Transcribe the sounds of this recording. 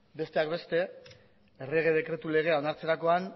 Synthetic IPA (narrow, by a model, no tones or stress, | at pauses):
be̞st̪e̞akbe̞st̪e̞ː | reɣ̞e̞ðe̞kɾe̞t̪ule̞ɣ̞e̞ao̞naɾt͡se̞ɾako̞an